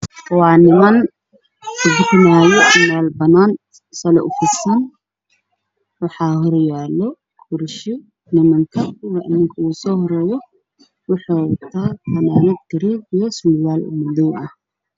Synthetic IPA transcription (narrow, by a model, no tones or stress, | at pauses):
wɑːnɪmɐn | dɪrnaːjɔmaːlbɐnaːn | sɐlɛ̰ʔʊfɪsɐn | wɑħɑːɦɔɾjaːlɔ | kʰʊɾʃɔ | nɪmɐŋkʰɐkʰʊɣɐʔɪ̰nɪŋkʰɐuːsɔːhɔɾɛːjɔ | wʊħɔːt̪ʰaːhɐnaːnɐd̪ɐɾiːbɪjɐsʊljaːlʊ̰mʊd̪ɔwʔɐh